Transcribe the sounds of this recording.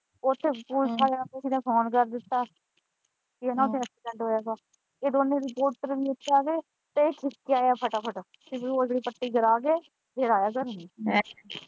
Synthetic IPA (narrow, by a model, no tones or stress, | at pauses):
ʊt̪ʰːeːpuːt͡ʃʰaːaːkɪsiːneːpʰoːnkəɾd̪ɪt̪ːaː | kiɛːnãʊt̪ʰːeːətʰːiːt͡ʃəlɖɦoːjaːɡaː | keːd̪oːnẽːɾɪpoːɾʈəɾbʱiːɪt̪ʰːeaːɡeː | t̪eeːʈʰɪkːaːjaːpʰəʈaːpʰəʈaː | siboːd͡ʒːɽiːpəʈːiːɡəɾaːɡeː | b̪ʱeːɾaːjaːkəɾ